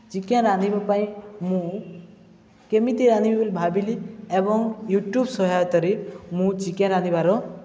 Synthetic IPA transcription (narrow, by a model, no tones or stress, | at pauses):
t͡ʃikãɾanibapaĩmũ | kemit̪iɾanibibilbʱabiliebɔŋjuʈjubsɔɦajt̪ɔɾimũt͡ʃikãɾanibaɾɔ